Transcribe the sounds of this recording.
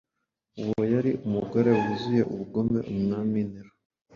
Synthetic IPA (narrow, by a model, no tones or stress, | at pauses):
uwojaɾiumuɡoɾeuβuzuje̞ʔuβuɡo̞me̞̰ʔumnaːminiɾo